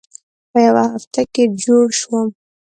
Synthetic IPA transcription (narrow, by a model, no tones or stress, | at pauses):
pəjawahaft̪aked͡ʒoɽʃwəm